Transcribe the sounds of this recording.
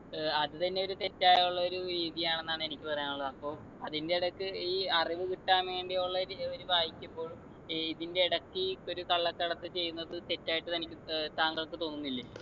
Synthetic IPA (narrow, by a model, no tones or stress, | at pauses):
ɐðɨt̪ɐnːeo̞ɾut̪e̞tːaːjuɭːɐo̞ɾuɾiːðijaːɳe̞nːaːɳɨe̞nikʲːɨpɐrɐjaːnuɭːɐðɐpːo̞ː | ɐðindeiɽɐkːɨiːɐriʋɨkiʈːaːme̞ːɳɖijuɭːɐoɾuʋaːjikʲːumbo̞ːɭ | iðinde̞iɽɐkːɨkːo̞ɾukɐɭːɐkːɐɽɐt̪ːɨt͡ɕe̞jːunːɐðɨt̪e̞tːaːjiʈːɨt̪ɐnikʲːɨt̪aːŋɡɐɭkːɨt̪o̞ːnːunːilːe